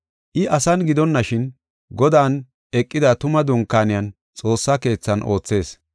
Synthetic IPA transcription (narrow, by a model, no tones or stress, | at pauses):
ʔɪʔɐsɐnɡɪd̪ɔnːɐʃɪn | ɡɔd̪aːn | ɛkʼːɪd̪ɐt̪ʊmɐd̪ʊŋkːaːnɪjɐn | t͡sʼo̞ːsːɐke̞ːt͡sːɐnʔo̞ːt͡sːe̞ːs